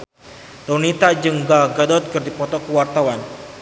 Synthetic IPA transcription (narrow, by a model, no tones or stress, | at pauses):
t̪onit̪ad͡ʒəŋɡalɡadɔt̪̚kərd̪ipɔt̪ɔkəwart̪awan